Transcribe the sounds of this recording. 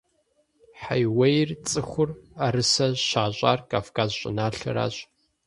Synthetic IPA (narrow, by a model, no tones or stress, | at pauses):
ħajwɐjrt͡sʼɨxʷʊraɾɨsɐɕaːɕʼa̰ːrkʼaːfkʰaːzɕʼɪ̰naːɬɐ̰ɾa̰ːɕʼ